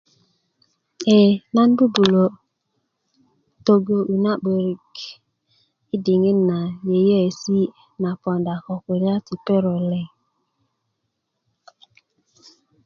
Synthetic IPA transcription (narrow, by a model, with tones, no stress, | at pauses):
e˨na˦n̩˦bu˦bu˨lo˨ | to˨ɡo˦ʔu˨na˦k͡pe˨ɾi˨k | i˦dɪ˨ŋe˦n̩˦na˨je˨je˦e˨si˦ | na˨pɔ˨n˨da˨kɔ˨kʷe˨ɾja˦ti˨pe˦ɾɔ˨lɛ˨ŋ